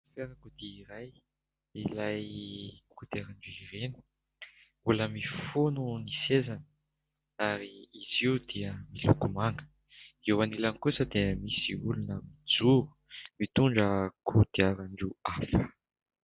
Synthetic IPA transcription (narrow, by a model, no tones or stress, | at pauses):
feɾakud̪iiɾaj | ilajkud̪̥iaɾaɳɖ͡ʐuiɾenu̥ | uləmifonunisezanə̥ | aɾiːziud̪iəmilukumaŋə̥ | ewanilankusəd̪emisiulunəmid͡zuɾu̥ | mit̪uɳɖ͡ʐəkʰud̪̥iaɾaɳɖ͡ʐuafə̥